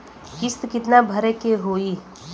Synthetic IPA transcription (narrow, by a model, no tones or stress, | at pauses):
kɪst̪kɪt̪nabʱəɾekeɦoːiː